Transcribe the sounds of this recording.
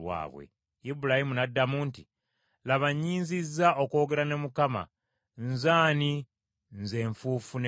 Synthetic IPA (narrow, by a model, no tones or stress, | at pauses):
wa̰ːβwḛ | ibuɾahimunadːamunti | laβaɲːiːnzizːaʔo̞ko̞ːɡe̞ɾane̞mukama̰ | nzaːni | nze̞ːɱfuːfun